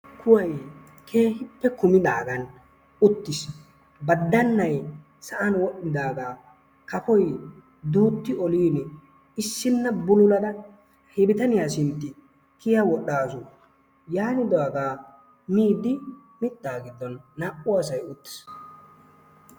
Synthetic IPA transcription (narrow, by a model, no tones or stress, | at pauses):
kʰʊwɐj | kʰe̞ːɦɪpːɛkʊmɪd̪aːɡɐn | ʊt̪ːɪs | bɐd̪ːɐnːɐj | sɐʔɐnwɔʔːɪd̪aːɡaː | kɐpɔj | d̪uːt̪ːɪɔliːn | ɪsːɪnːɐbʊlʊlɐd̪ɐ | hɪbɪt̪ɐnɪjaːsɪnt̪ːɪ | kɪjawɔɗaːsʊ | jaːnɪd̪ɔaɡaː | miːd̪ɪ | mɪt̪ːaːɡɪd̪ːɔnːaʔʊɐsɐjʊt̪ːɪ̥s